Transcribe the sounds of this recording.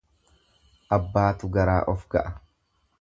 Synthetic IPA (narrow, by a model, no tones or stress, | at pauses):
ʔɐbːaːt̪ʊɡɐɾaːʔɔfɡɐ̰ʔɐ